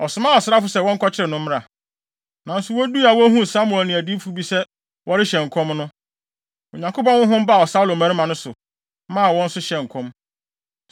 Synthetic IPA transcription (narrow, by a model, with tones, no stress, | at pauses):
ɔ˨sʊ˨mã˦˨ɔ˨sɾa˦fʊ˨˦sɛ˦wɔ̃˦ŋ̩˦kʰɔ˦t͡ɕʰɪ˦ɾɪ˨nʊ̃˦m˦a˨ | nã˨n̩˦sʊ˨wɔ˦du˦a˨wɔ˦ɦũ˦˨sa˦mu˨ɛ˨lnɪ̃˨æ˨di˦fu˨˦bi˦sɛ˦ | wɔ˦ɾɪ˦ɕɛ˨ŋ˨kʰɔ̃˦mnʊ̃˦ | o̰˨ɲã˨ŋko˦pɔ̃˦nwʊ̃˦ɦʊ̃˦m˦ba˦˨ɔ˨sa˦u˦lo˨mæ̃˦ɾi˦mã˨nʊ̃˦sʊ˨˦ | mã˦a˨wɔ̃˦n̩˦sʊ˦ɕɛ˨ŋ˨kʰɔ̃˦m